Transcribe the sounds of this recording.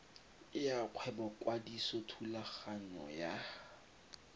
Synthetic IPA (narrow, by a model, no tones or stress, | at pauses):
ɪjaq͡χʰwɛbɔkʼwadisɔtʰulaχaɲɔ̰ja